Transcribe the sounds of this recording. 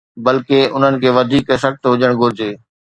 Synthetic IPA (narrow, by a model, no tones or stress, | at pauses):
bɐlkeʊn̤ənɪ̆kʰeːʋɐd̪ʱiːksəxt̪ɦʊd͡ʑəɽ̃ɡʱʊɾɪd͡ʑeː